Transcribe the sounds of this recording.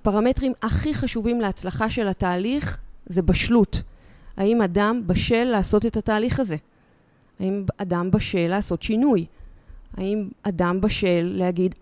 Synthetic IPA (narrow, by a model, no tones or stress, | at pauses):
paʁame̞tʁimaχiχaʃuvimleat͡slaχaʃe̞lhataːliχze̞baʃlutaimadambaʃe̞lːaːso̞te̞tataːliχaze̞ | aimadambaʃe̞laːso̞tʃinuj | aimadambaʃe̞lːehaɡid